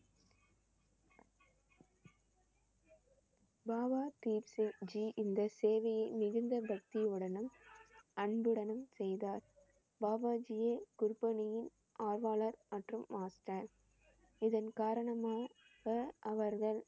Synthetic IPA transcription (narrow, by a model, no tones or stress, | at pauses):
baːbaːt̪iːpsɪŋd͡ʒiʔɪnd̪ɐseːʋɐjɪmɪɣɯnd̪ɐbɐk̚t̪ɪɯɽɐnɯmɐɳbɯɽɐnɯmsɛjðaːɾ | baːbaːd͡ʒɪjeːkʊɾpːɐnɪjɪn | ʔaːɾʋaːɭɐɾmɐʈrɯmːaːsʈɐɾ | ɪðɐnkaːɾɐɳɐmaː | ɣɐʔɐʋɐɾɣɐɭ